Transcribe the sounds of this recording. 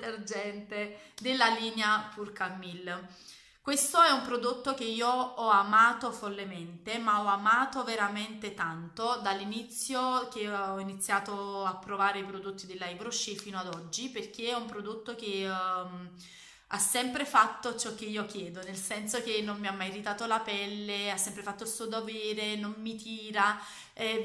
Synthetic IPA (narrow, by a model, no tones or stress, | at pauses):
erd͡ʒɛnt̪ed̪elːaliːneapʰurkamːil | kwest̪oɛumpɾod̪ot̪ːok̟eiːoɔamaːt̪ofolːement̪emaɔamaːt̪oveɾament̪et̪ant̪od̪alːinit̪sːjok̟eɔinit̪sːjaːt̪oapːɾovaːɾeipɾod̪ot̪ːid̪elːajbɾoʃefiːnoad̪ɔd͡ʒːiperk̟eɛumpɾod̪ot̪ːok̟em | asːɛmpɾefat̪ːot͡ʃɔk̟ːeiːok̟jɛːd̪onelsɛnsok̟enːommiamːajrit̪aːt̪olapɛlːeasːɛmpɾefat̪ːolsuod̪ovɛːɾenommit̪iːɾa | ɛ